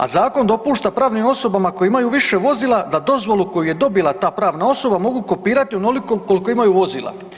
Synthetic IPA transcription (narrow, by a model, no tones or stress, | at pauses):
a̰zaːko̞nd̪o̞puːʃt̪apɾaːʋnimo̞so̞bamako̞jiimajuʋiʃe̞ʋo̞ziːlad̪ad̪o̞zʋo̞lˠuko̞juje̞d̪o̞bilˠat̪aːpɾaːʋnao̞so̞bamo̞ɡuːko̞piːɾat̪ionolikoko̞liko̞imajuʋo̞zḭːlˠa̰